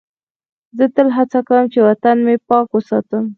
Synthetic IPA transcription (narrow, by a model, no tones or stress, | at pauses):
zət̪əlɦat͡sakawəmt͡ʃewat̪anmepɑkwəsɑt̪əm